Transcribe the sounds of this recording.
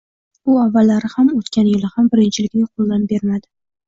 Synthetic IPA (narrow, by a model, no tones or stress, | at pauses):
ʊavːalːaɾɪhamot̪kʲʰanjɪlɪhambɪɾɪnt͡ʃʰɪlɪkʲnɪŋqʰolˠːanbe̞ɾmad̪ɪ